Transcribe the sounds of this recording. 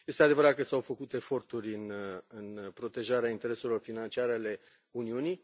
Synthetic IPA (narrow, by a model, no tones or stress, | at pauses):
je̞st̪ead̪e̞vəɾat̪̚kəsawfəkut̪e̞fo̞rt̪uɾʲɨnɨnpɾo̞t̪e̞ʒaɾeaint̪e̞ɾe̞selo̞rfinant͡ʃiaɾeale̞ | uniunij